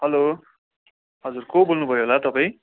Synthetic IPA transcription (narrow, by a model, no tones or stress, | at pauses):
ɦʌlo | ɦʌd͡zurkobolnubʱʌjoɦolat̪ʌpaĩ